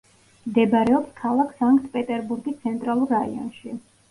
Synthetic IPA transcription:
md̪ɛbaɾɛɔpskʰalˠakʰsaŋkʼt̪ʰpʼɛt̪ʼɛɾbuɾɡit̪sʰɛnt̪ʼɾalˠuɾːaḭɔ̰nʃi

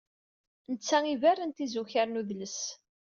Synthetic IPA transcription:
nət͡sːæŋiværːənt̪izuçaɾnuðləs

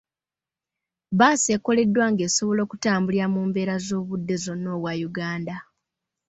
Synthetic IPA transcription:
βaːse̞ko̞le̞dːwaŋɡe̞ːso̞βo̞lo̞ːkutaːmbuliɾamuːmbe̞ːɾazo̞ːβudːe̞zo̞no̞ːβwajuɡaːnda

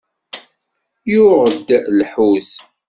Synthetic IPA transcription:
juʁəd̪ːlħuθ

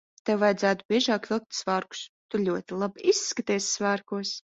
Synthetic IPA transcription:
t̪ɛwvajd̪zæːt̪ubʲiɛʒɑːklʲɨk̚t̪svaːɾku̥st̪ulʲuɔt̪ilˠabisːkat̪iɛsʲsvæːɾkuɔs

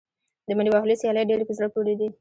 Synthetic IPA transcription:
d̪əmaɾiwɑɦlisijɑləjɖeɾepəzɾək̚d͡ʒoɽed̪i

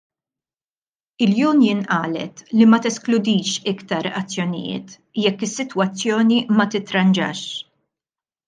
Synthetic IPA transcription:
ɪljuːnjɪnʔɐːlɛ̰t̪limɐt̪ɛsklʊd̪iːʃɪkt̪ɐɾɐ̰t͡sːjɔnɪ̰jɪ̰ːt̪ | jɛkːɪsːɪt̪wɐt͡sːjɔːnimɐt̪ɪt̪ːɾɐnd͡ʒɐ̰ːʃ

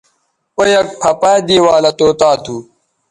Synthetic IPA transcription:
ojɐk̚pʰɐpaːd̪iːwaːlɐt̪oːt̪aːt̪uː

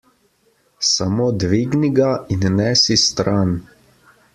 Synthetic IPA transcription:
samoːd̪ʋiːɡniɡainnɛːsist̪ɾan

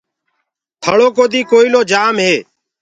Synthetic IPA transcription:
t̪ʰəɭoːkoːd̪iːkoːiːloːd͡ʒaːmɦeː

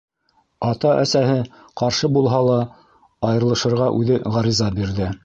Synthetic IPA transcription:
ɑt̪ɑʔæsæɦɘ | qɑɾʃɤbulˠɦɑlˠɑ | ɑjɤ̆ɾlˠɤ̆ʃɤ̆ɾʁɑʔʉðɘʁɑɾizɑbiɾðɘ

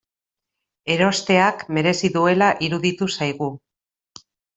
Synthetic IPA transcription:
e̞ɾo̞st̪e̞akme̞ɾe̞siðue̞laʔiɾuðit̪usajɣ̞u

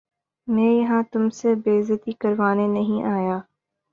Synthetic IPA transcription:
mɛ̃ːjɐɦãt̪ʊmsebeːzɪt̪ikɐɾʋaːnenɐɦĩʔaːjaː

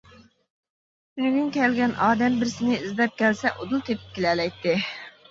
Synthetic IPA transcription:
meɡʲyŋkʲʰɛlɡʲɛnʔɑːd̪ɛmbɪɾsɪnɪizd̪ɛp̚kʲʰɛlsɛʔod̪ulˠt̪ʰepʰɪ̥p̚kʲelɛlɛjt̪ːɪ

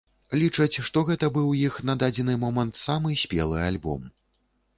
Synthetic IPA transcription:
lʲit͡ʂɐt͡sʲʂt̪ɔɣɛt̪ɐbɨwjixnɐd̪ad͡zʲɛnɨmɔmɐnt̪samɨsʲpʲɛ̰lˠɨalʲbɔ̰m

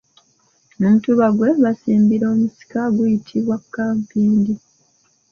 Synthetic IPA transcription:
numutuβaɡwe̞βasiːmbiɾo̞ːmusi̥kaɡujitʰiβwakːaːmpiːndi

